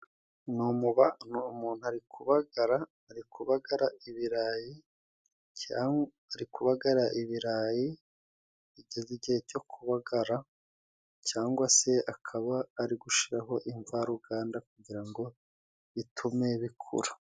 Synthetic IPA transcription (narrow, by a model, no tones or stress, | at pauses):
numuβanmuːn̥uaɾikʰuβaɡaɾaː | ɾikʰuβaɡaɾaiβiɾaji | ca | aɾikuβaɡaɾaʔiβiɾaji | iɟeziɟiheɟo̞kʰuβaɡaɾa | caːŋɡwase̞akʰaβaːɾiɡuʃiɾaɦo̞ʔiɱvaɾuɡaːndakuɟiɾaŋɡo̞ | βitʰume̞βikʰṵɾu